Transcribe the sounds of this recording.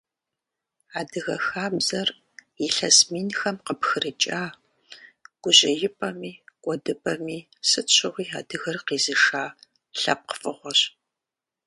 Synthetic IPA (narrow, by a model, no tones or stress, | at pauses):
aːdɨɣɐxaːbzɐr | jɪɬɐsmiːnxɐmqəpxɨrɨt͡ʃʼaː | ɡ̥ʷʊʑɪjɪpʼɐmiːkʷʼɔdɨpʼɐmiː | sɨt͡ʃʷʰɪʁʷiːa̰ːdɨɣɐrqiːzɨʂaː | ɬɐ̰p̚qə̥fʼɨʁʷɔɕ